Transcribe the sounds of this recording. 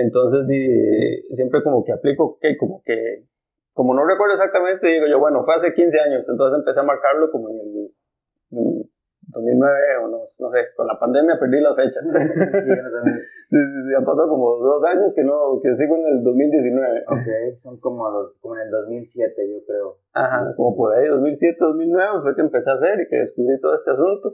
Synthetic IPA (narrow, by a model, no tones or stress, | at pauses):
ent̪o̞ns̬e̞zd̪iesje̞mpɾe̞ko̞mo̞keaplikokeko̞moke | ko̞mo̞no̞rekwe̞ɾðoesak̚t̪amẽ̞nt̪eðiɣo̞ʝo̞βwe̞no̞fwe̞as̬e̞kins̬e̞aɲo̞sent̪o̞nsesempese̞amaɾkaɾloko̞moenel | d̪ozmilnweβeonosno̞se̞ko̰nlapand̪e̞mjape̞ɾd̪ilasfe̞t͡ʃas | sisisiampasaðoko̞moðo̞saɲoskenokes̬iɣoeneld̪o̞zmild̪je̞sinwe̞βeoseejosoŋkomoloskomoeneld̪ozmilsjet̪eʝokɾeo | a̰xako̞mo̞po̞ɾaiðo̞zmilsjet̪eðo̞zmilnwe̞βefwekeːmpe̞seas̬e̞ɾikḛðḛskuβɾit̪oðoest̪e̞asunt̪o